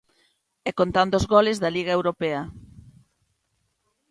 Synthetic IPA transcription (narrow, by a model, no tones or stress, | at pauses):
ɛkont̪and̪ozɣolezðɐliɣ̞aewɾopeɐ